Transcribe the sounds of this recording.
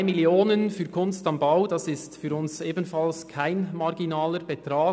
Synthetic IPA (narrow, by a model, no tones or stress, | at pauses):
ɪmɪljoːnənfyːɾkʰʊnstɑmbaʊd̥ɑsɪstfyːɾʊnseːbən̩fɑlskʰaɪnmɑɾɡinaːləɾb̥ɛtɾaː